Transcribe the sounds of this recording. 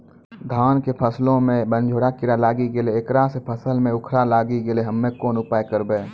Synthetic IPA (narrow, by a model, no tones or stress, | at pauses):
d̪ʱaːnkepʰəslõmẽbə̃nd͡ʒʱoːɾakɪɾalaːɡiɡeleːkɾasepʰəsəlmẽʊkʰɾalaːɡiɡɪleɦəmːẽkoːnʊpaːjkəɾbeː